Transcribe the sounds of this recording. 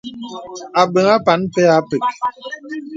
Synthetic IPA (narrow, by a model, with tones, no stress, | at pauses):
a˨ɓe˨ŋa˦pa˨˦npɛ˦a˦pe˨k̚